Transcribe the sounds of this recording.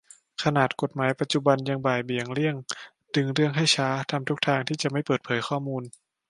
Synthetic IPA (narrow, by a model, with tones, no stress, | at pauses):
kʰa˧naː˨˩t̪̚ko˨˩t̪̚maː˩˦jpa˨˧˩t̪̚t͡ɕu˧ba˧nja˧ŋbaː˨˩jbi˨˩əŋli˥˩əŋ | dɯ˧ŋɾɯ˥˩əŋɦa˥˩jt͡ɕʰaː˦˥t̪ʰa˧mt̪ʰu˦˥k̚t̪ʰaː˧ŋt̪ʰiː˥˩t͡ɕa˨˩ma˥˩jpɤː˨˩t̪̚pʰɤː˩˦jxʰɔː˥˩muː˧n